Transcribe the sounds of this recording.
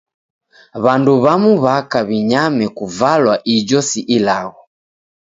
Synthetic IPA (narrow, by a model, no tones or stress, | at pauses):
βanduβamuβakaβiɲamɛkuvalwaʔid͡ʒɔsiʔilaɣɔ